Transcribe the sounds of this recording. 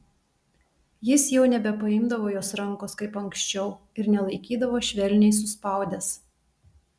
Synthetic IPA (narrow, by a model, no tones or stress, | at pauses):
jɪsjɛʊnʲɛbʲɛpɐɪmd̪ɐʋoːjoːsɾɐŋˑkoːskɐɪpɐŋksʲt͡ʃʲɛʊ | ɪɾnʲɛlˠɐɪkʲiːd̪ɐʋoːʃʲʋʲɛlʲnʲɛɪs̬ʊspɑˑʊd̪ʲɛs